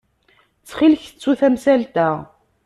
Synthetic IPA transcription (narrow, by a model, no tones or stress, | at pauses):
t͡sːχilçt͡sːuθæmsælt̪æ